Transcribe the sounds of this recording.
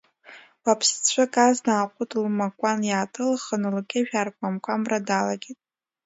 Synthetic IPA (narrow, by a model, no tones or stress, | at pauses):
wapʰst͡ɕʷʰakʼaznaːqʷʼʊtʰʼlmakʷʼanjaːtʰʼɨlχənɨlkʲʰʼeʒᶣarkʷʼamkʷʼamradalaɡʲitʼ